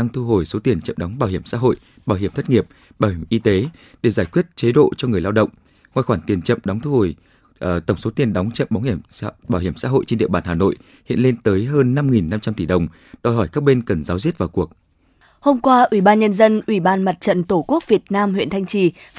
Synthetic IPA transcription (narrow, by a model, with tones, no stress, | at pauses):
a˧ŋt̪ʰu˧ɦo˨˩jso˨˦t̪i˨˩ənt͡ɕə̰˧˨mɗɔ˨˦ŋ͡mɓaː˧˩whi˧˩əmsa̰ː˧˥ɦo̰˧˨j | ɓaː˧˩wɦi˧˩əmt̪ʰə˦˥t̚ŋi˨˩əp̚ | ɓaː˧˩whi˧˩mʔi˧t̪e˨˦ | ɗe˧˩zaː˧˩jkwi˦˥ət̚t͡ɕe˨˦ɗo̰˧˨t͡ɕɔ˧ŋɨ˨˩əjlaː˧wɗə̰˧˨wŋ͡m | ŋwaː˧jxwaː˧˩nt̪i˨˩ənt͡ɕə̰˧˨mɗɔ˨˦wŋ͡mt̪ʰu˧ho˧˩j | ʔt̪ə˧˩wŋ͡mso˨˦t̪i˨˩ənɗɔ˨˦wŋ͡mt͡ɕə̰˧˨mɓa˨˦ŋ͡mhi˧˩əɓaː˧˩whi˧˩əmsa̰ː˧˥ɦo̰˧˨jt͡ɕe˧nɗḭ˧əɓaː˧˩nɦaː˨˩no̰˧˨j | hḭ˧˨ənle˧nt̪əː˨˦jɦəː˧nːa˧mŋi˨˩nːa˧mt͡ɕa˧mt̪i˧˩ɗə˨˩wŋ͡m | ɗɔ˨˩jɦɔ˧˩jkaː˦˥k̚ɓe˧nkə˨˩nzaː˨˦wzi˦˥ət̚vaː˨˩wku˨˩ək̚ | ho˧mkwaː˧ʔwi˧˩ɓaː˧nɲə˧nzə˧nʔwi˧˩ɓaː˧nma˨˩t̚t͡ɕə̰˧˨nt̪o˧˩ku˦˥ək̚vi˨˩ət̚naː˧mɦwḭ˧˨ənt̪ʰjŋt͡ɕi˧˩